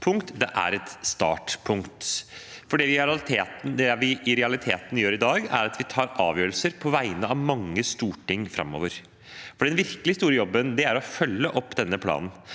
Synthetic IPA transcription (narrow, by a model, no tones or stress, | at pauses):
pʰʊŋkt̪d̪ɛʔæ̰ɾɛt̪st̪ɑ̰ːʈpʰʊŋkt̪fɔɖɛʋɪɾt̪ʰeːt̪n̩d̪ɛʋɪɪɾɛɑlɪt̪ʰeːt̪n̩jøːɾɪd̪ɑːɡæ̰ɾɑt̪ʋɪt̪ʰɑːɾʔɑ̰ːʋjøːɾəlsəɾpʰɔʋæɪnəɑʋmɑŋːəst̪uːʈɪŋːfɾɑ̰mːo̰ːʋəɾ | fɔɖɛnʋɪɾkəlɪst̪uːɾəjɔbːənd̪ɛæɾɔfœlːəʔɔpːd̪ɛnːəpʰlɑ̰ːnn̩